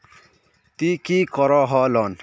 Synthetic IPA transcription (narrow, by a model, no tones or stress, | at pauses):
t̪ikikʌɾɔɦʌlʌn